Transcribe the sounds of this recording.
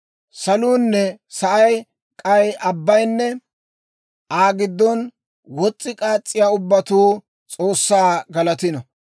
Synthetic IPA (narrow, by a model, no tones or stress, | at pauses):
sɐluːnːɛsɐʔɐj | kʼɐjɐbːɐjnːɛ | ʔaːɡɪd̪ːɔn | wɔt͡sʼːɪkʼaːt͡sʼːɪjaːʊbːɐt̪uː | t͡sʼo̞ːsːaːɡɐlɐt̪ɪnɔ